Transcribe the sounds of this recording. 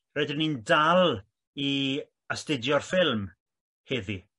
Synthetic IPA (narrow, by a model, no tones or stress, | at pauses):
roɨdɪnindalˠ | i | əstɪdjɔrfɪlˠm | hɛði